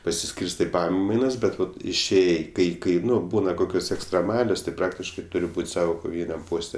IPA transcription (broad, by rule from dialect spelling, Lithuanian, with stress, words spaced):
pɐsʲɪˈsʲkʲiːrstɜ ɪ ˈpɑːmɐɪnɐs ˈbʲɛt ˈʋɐt ɪʃʲˈeːjɛɪ ˈkɐɪ ˈkɐɪ ˈnʊ ˈbuːnɐ ˈkoːkʲoːs ɛksʲtʲrʲɛˈmɑːlʲoːs tɐɪ ˈprɑːktʲɪʃkɐɪ ˈtʊrʲɪ ˈbuːtʲ ˈsɑːʋoː koːˈʋʲiːnʲɛm ˈpoːsʲtʲɛ